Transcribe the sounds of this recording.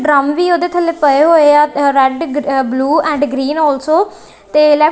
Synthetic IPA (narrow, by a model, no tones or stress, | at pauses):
ɖɾəmʋiːoːd̪eːt̪ʰəleːpəeːɦoːeaːɾɛɖbluːɛ̃ːɳɖɡɾiːnɔːlsoː | t̪eːlɛː